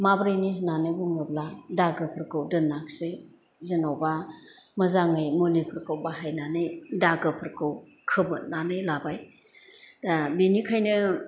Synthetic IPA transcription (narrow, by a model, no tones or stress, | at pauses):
mabɾɯjnihnanɯbuŋɯbladaɡɯpʰɯɾkɯwdɯnaksɯj | zenawba | mɐzaŋɯjmulipʰɯɾkɯwbaɦajnanɯjdaɡɯpʰɯɾkɯw | kʰɯbɯnanɯjlabaj | abinikʰajnɯ